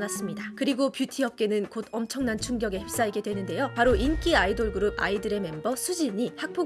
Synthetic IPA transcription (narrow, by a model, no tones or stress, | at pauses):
nas͈ɯmɲidakɯɾiɡopjutʰiʌp̚k͈e̞nɯnkodʌmt͡ɕʰʌŋnant͡ɕʰuŋɡjʌɡe̞hep̚s͈aiɡe̞dwe̞nɯnde̞jopaɾoink͈iaidoɭɡɯɾub̚a̰idɯɾe̞me̞mbʌsʰud͡ʑiɲihak̚pʰo